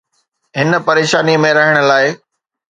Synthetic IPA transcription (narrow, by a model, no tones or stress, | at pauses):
ɦɪnpɐɾeːʃaːnimẽɾɐɦəɽ̃ʊ̆laːɪ